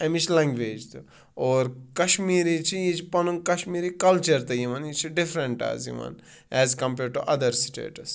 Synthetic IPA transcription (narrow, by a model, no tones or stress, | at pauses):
ɐmit͡ʃʰlɛ̃ŋɡʋeːd͡ʒt̪u | oːɾkɐʃmiːɾit͡ʃʰijit͡ʃʰipɐnunkɐʃmiːɾikɐlt͡ʃɐɾt̪ɐjiʋɐnit͡ʃʰiɖɪfɾɐɳʈa̰ːzḭʋɐ̰n | ɛːzkɐ̃mpeːɖʈuʔɐd̪ɐɾsi̥ʈḛːʈɐs